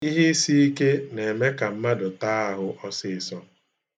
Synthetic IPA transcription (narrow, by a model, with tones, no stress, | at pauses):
i˦ɦi˦si˦i˦ke˦ne˨me˦ka˨m̩˦ma˦dʊ˨taː˦a˦ɦʊ˦ʔɔ˦sɪ˦˨sɔ˦